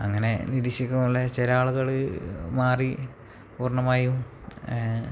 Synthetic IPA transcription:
ɐŋːɐne̞niɾiɕikːumuɭːɐt͡ɕelaːɭuɣɐɭɨmaːri | puːrɳɐmaːjum

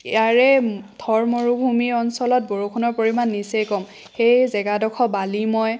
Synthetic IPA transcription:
jaɹɛtʰɔɹmoɹubʱumiɔnsɔlɔt̚boɹukʰunɔɹpoɹimanːisekɔm | xejzɛɡadɔkʰɔbalimɔj

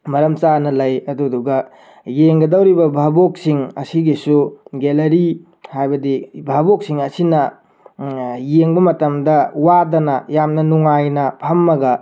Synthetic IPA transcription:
mɐɾɐmt͡ʃanɐlɐjɐduduɡɐ | jeŋɡɐdɐwɾibɐbʱabok̚siŋɐ̰siɡisuɡelɐɾi | hajbɐdibʱabok̚siŋɐsinɐ | jeŋbɐmɐtɐmdɐwadɐnɐjamnɐnuŋajnɐpʰɐmːɐɡɐ

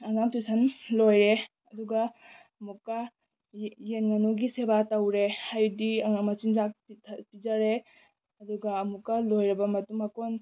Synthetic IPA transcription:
ɐŋaŋtusanlojɾe | ɐduɡɐː | mukːɐ | jenŋɐnuɡisebatɐwɾehajdiɐŋamɐt͡ʃind͡ʒak̚pitʰpid͡ʒaɾe | ɐduɡɐːmukːɐlojɾɐbɐmɐtumɐkon

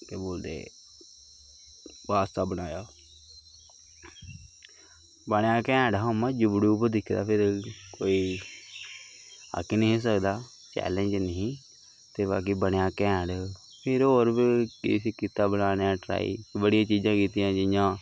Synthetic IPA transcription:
k̪eboːld̪ḛː | ʋaːst̪aːbəɽ̃aːjaː | bəɽjaːkɛ̃ːɖɦomãd͡ʒʊbɽuːpəd̪ɪkʰd̪a̰ːpʰɪɾkoːiː | a̰kinẽːs̬əkd̪aː | t͡ʃɛ̰ːlə̃ɲd͡ʒnəĩː | t̪eːba̰ːk̬iːbəɽjaːkɛ̃ːɖ | pʰɪɾɦoːɾbikɪ̰sikiːt̪aːbənaːneãːʈɾa̰ːḭːbəɽɪjãːt͡ʃiːd͡ʒãːkiːt̪ijãːd͡ʒɪjãː

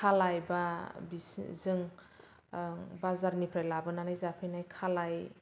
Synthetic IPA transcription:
kʰalajbabizɯŋ | bazaɾnipʰɾajlabɯnanajzapʰijnajkʰalaj

